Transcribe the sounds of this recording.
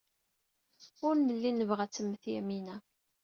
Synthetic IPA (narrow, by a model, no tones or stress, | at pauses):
ʊɾnəlːinəvʁæt͡sːəmːəθjæminæ